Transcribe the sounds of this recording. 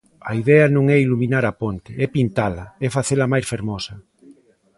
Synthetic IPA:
ɐiðɛɐnõŋɛiluminaɾɐpont̪ɪɛpint̪alɐɛfaθelɐmajsfeɾmɔsɐ

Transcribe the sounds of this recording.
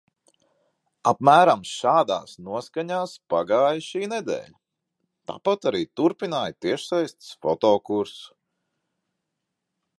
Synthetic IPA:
apmæːɾamʃaːd̪a̰ːsnuɔskaɲaːspaɡaːjʃiːnɛd̪ɛ̰ːʎʲ | t̪a̰ːpat̪aɾiːt̪uɾpinaːjt̪iɛʃsajst̪sfɔt̪ɔːkuɾs

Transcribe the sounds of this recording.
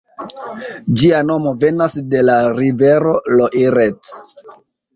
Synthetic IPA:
d͡ʒiano̞mo̞ve̞nasde̞laɾive̞ɾo̞loʔiɾet͡s

